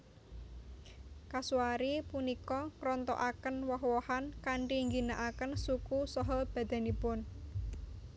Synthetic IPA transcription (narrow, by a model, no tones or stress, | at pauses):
kasuaɾipunikɔŋɾɔnt̪ɔ̰ʔakənwɔɦwɔhankaɳʈiŋɡinaʔakənsukusɔɦɔb̥a̤d̪̥a̤nipʊn